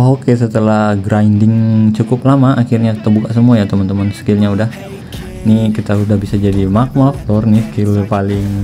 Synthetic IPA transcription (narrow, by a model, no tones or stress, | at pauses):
okesət̪əlahɡɾandɪŋt͡ʃukʊp̚lamaʔakirɲaki̥t̪abukasəmuajat̪əmənt̪əmənskɪlɲaudah | nikit̪audahbisad͡ʒadimak̚mak̚t̪ɔrniskɪlpalɪŋ